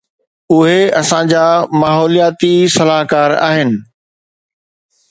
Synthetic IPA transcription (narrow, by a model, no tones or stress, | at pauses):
ʊɦeɐsãd͡ʑaːmaːɦɔːlijaːt̪isɐlaːɦkaːɾa̰ːɦɪnɪ̆